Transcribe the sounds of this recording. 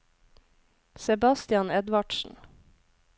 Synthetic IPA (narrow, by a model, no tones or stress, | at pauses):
sɛbɑst̪ɪɑnɛd̪ʋɑɖ̥ʃn̩